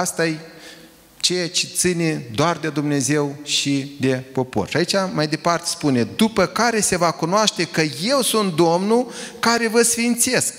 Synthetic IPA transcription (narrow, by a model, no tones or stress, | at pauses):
st̪aj | t͡ʃejat͡ʃet̪sɨne̞d̪oard̪e̞d̪umne̞ze̞wʃid̪e̞po̞po̞̰rʃait͡ʃamajd̪e̞part̪e̞̥spune̞d̪upəkaɾe̞se̞vakunoaʃt̪e̞kəje̞wsunt̪̚d̪o̞mnukaɾe̞vəsfint̪se̞sk̚